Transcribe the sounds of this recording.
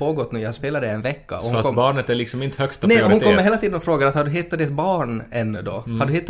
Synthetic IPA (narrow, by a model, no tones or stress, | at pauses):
oːɡɔt̪ːnʉːjahaspeːlad̪əɪɛnvɛkːa̰ɔhɔbɑːɳət̪æɭɪksɔmɪnt̪hœkst̪nɛhɾʊnkɔmːəɾɦeːlat̪ʰiːd̪ənɔfɾoːɡad̪əat̪haɖɵɦɪt̪ːat̪d̪ɪt̪bɑːɳɛnːd̪ɔ̰haɖɵhɪt̪ː